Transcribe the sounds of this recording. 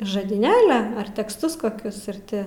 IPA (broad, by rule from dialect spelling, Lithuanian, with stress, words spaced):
ʒɐdʲiːˈnʲeːlʲɛ ˈɐr tʲɛksˈtʊs koːˈkʲʊs ɪr ˈtʲɪ